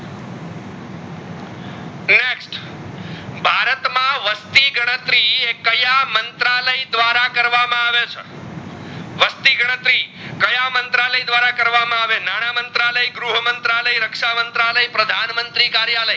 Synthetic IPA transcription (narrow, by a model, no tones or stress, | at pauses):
neksʈ | bʱaɾət̪mãʋəst̪iɡəɽ̃ət̪ɾiekəjamənt̪ɾaləid̪ʋaɾakəɾʋamãaʋet͡ʃʰe | ʋəst̪iɡəɽ̃ət̪ɾikəjamənt̪ɾaləid̪ʋaɾakəɾʋamãaʋenaɽ̃amənt̪ɾaləiɡɾuɦəmənt̪ɾaləiɾəkʂamənt̪ɾaləipɾəd̪ʱanmənt̪ɾikaɾjaləi